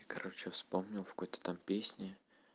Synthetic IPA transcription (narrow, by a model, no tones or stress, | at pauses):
akɐɾot͡ɕɪəfspomnʲɪlˠfkojt̪ə̥t̪ampʲesʲnʲɪ